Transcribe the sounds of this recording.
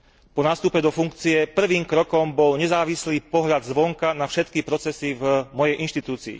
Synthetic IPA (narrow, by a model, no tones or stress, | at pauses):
pɔnaːst̪upɛd̪ɔfuŋk̚t͡siɛpr̩ʋiːmkɾɔkɔmbɔlɲɛzaːʋisliːpɔɦʎad̪zʋɔŋkanafʃɛt̪kipɾɔt͡sɛsivmɔjɛjʔinʃt̪it̪uːt͡siḭ